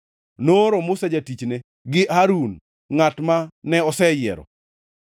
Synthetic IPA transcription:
noɾɔmʊsad͡ʒatit͡ʃne | ɡɪʔaɾun | ŋatmanɛɔsɛjɪɛ̰ɾɔ̰

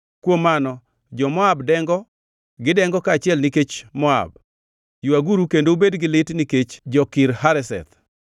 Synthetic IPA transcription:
kwomːanɔ | d͡ʒɔmɔabdɛŋɡɔ | ɡɪdɛŋɡɔkaːt͡ʃɪɛlniket͡ʃmɔa̰b̚ | juaɡuɾukendoubedɡɪlɪtniket͡ʃd͡ʒɔkɪɾɦaɾɛsɛ̰t̪

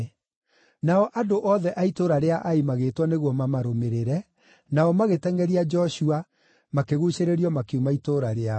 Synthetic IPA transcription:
naɔʔadoʔɔðɛʔaitoɾaɾeaʔaimaɣeːtwɔneɣwɔmamaɾomeɾeɾɛ | naɔmaɣetɛŋɡɛɾiad͡ʒɔʃua | makeɣuɕeɾeɾiɔmakumaitoɾaɾea

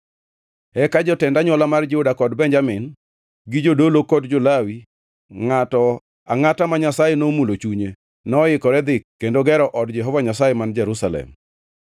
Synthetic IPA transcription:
ɛkad͡ʒɔtɛndaɲɔlamard͡ʒudakɔdbɛɲd͡ʒamɪn | ɡɪd͡ʒodolokɔdd͡ʒolawi | ŋatɔ | aŋatamaɲasajenomulot͡ʃuɲe | nɔɪkɔɾɛd̪ɪkːendoɡɛɾɔʔɔdd͡ʒɛɦɔvaɲasajɛmand͡ʒɛɾusalɛ̰m

